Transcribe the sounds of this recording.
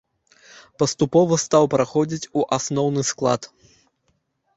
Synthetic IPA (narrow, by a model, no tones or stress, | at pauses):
pɐst̪upɔvɐst̪awpɾaxɔd͡zʲit͡sʲuʔasnɔwnɨsklˠa̰t̪